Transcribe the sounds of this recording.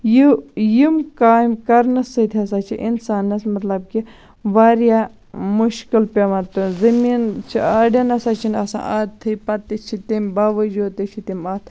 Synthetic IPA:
jujimkaːmkɐɾnɐsɐt̪ʰiɐsaːt͡ʃʰḭʔḭnsaːnːɐsmɐt̪lɐb̚ki | ʋaːɾjaː | muʃkilpʲɐmɐt̪pɐnzɐmiːnt͡ʃʰiaːɖjɐnɐsat͡ʃʰinɐsã̰ːʔɐt̪ʰːɨjpɐt̪ːit͡ʃʰit̪imʲbaːʋɐd͡ʒoːt̪it͡ʃʰit̪imat̪ʰ

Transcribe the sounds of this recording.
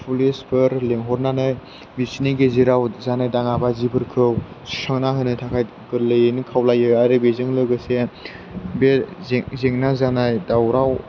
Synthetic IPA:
pʰulesbʰɯɾleŋɦɔɾnanaj | bisiniɡeziɾawzanajdaŋabazibɯɾkʰɯw | sisʰaŋnaɦɯnɯtʰakʰaj | ɡɯlɯjɯnɯkʰawlajɯaɾɯbezɯŋlɯɡɯse | bezeŋnazanajdawɾaw

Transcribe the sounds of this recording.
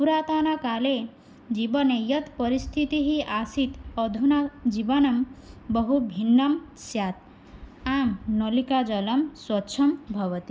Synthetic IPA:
puɾaːt̪anakale | d͡ʒibʌnejʌt̪pɔɾist̪ʰit̪iɦiʔasit̪ɔd̪ʱunad͡ʒibɔnɐmbɔɦubʱinːʌm | sjat̪̚ | amnɔlikad͡ʒɔlɐmswɔtːʃʰɐmbʱʌʋʌt̪i

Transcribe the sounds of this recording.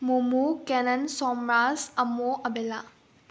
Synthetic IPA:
mumukenɐnsɔmɾazɐmoʔɐbela

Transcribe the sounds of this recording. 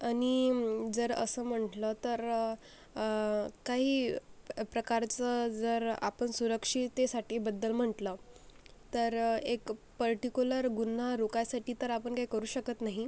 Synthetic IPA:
aɽ̃id͡zəɾə̰səm̤əɳʈlət̪əɾ | kaɦiːpɾəkaɾt͡səd͡zəɾa̰pəɳsuɾəkʂiːt̪esaʈʰiːbəd̪ːəlm̤əʈlə | t̪əɾek | pəɾʈikuləɾɡun̤ːaɾokajsaʈiːt̪əɾapəɳkaɦikəɾuːɕəkət̪naɦi

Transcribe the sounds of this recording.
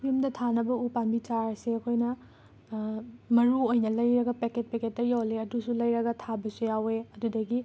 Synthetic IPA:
pʰimdɐtʰanɐbɐupanbit͡ʃaɾseɐkʰojnɐ | mɐɾuojnɐlɐjɾɐɡɐpeket̚peket̚ːɐjawleɐdusulɐjɾɐɡɐtʰabɐsujaweɐdudɐɡi

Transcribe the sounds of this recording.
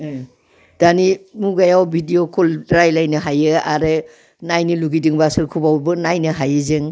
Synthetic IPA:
d̥animuɡajawbʱidijokʰɔldɾajlajnɯɦajɯaɾɯ | najnɯluɡidiŋbasɯɾkʰubawbɯnajnɯɦajɯzɯŋ

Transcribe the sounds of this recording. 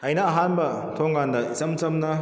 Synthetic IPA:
ɐjnɐːɦanbɐ | tʰoŋɡandɐisɐmt͡ʃɐmnɐ

